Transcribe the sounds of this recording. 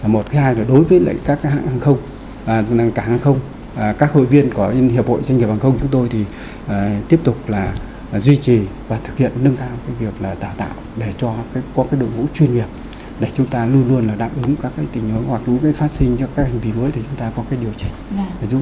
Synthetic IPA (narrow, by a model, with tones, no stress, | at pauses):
mo˨˩t̚kaː˨˦jhaː˧jlɔː˨˩ɗo˨˦jvəː˨˦jlə̰˧˨jkaː˦˥k̚a˨˦ha̰ː˧˨ŋhaː˨˧˩ŋxə˧wŋ͡m | kaː˧˩haː˧˩ŋxə˧wŋ͡m | kaː˦˥k̚ho̰˧˨jvi˧ənkɔ˨˦hi˨˩əp̚ho̰˧˨jza˧ŋŋ˨˩p̚haː˨˩xə˧wŋ͡mt͡ɕʊ˨˦ŋ͡mt̪o˧jt̪ʰi˨˩ | ʔːt̪i˦˥əp̚t̪ʊ˨˩k͡p̚laː˨˩ | zwi˧t͡ɕi˨˩vaː˨˩t̪ʰɨ˨˩k̚hḭ˧˨ənːə˧ŋkaː˧wkaː˨˦jvi˨˩ək̚laː˨˩ɗaː˨˩wt̪a̰ː˧˨wɗe˧˩t͡ɕɔ˧˨˦kɔ˨˦kaː˨˦jɗo̰˧˨ŋṵ˧˥t͡ɕwi˧ənhi˨˩əp̚ | ɗe˧˩t͡ɕʊ˨˦ŋ͡mt̪aː˧lu˧ənlu˧ənlaː˨˩ɗa̰ː˨˩mʔɨ˨˦ŋkaː˦˥kːaː˨˦jt̪ï˧˩ŋ̟hu˨˦nhwa˨˩k̚ɲɨ̰˧˥ŋkaː˨˦jfaː˦˥t̚si˧ŋt͡ɕkaː˦˥k̚ha˨˩ŋ̟vi˨˩məː˨˦jt̪ʰi˨˩t͡ɕʊ˨˦ŋ͡mt̪aː˧kɔ˨˦kaː˨˦jɗi˨˩əwt͡ɕi˧˨˩ŋ˨˩z